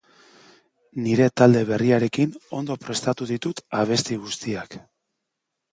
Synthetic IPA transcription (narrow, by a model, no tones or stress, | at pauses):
niɾe̞t̪ald̪e̞β̞e̞riaɾe̞kino̞̰nd̪o̞pɾe̞st̪at̪uðit̪ut̪aβ̞e̞st̪iɣust̪iak